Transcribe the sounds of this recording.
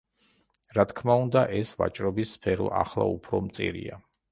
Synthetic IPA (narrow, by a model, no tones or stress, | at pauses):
ɾat̪ʰkʰmaund̪aʔɛsva̰t͡ʃʼɾɔbisːpʰɛɾɔʔaχlˠa̰upʰɾɔmt̪sʼḭɾia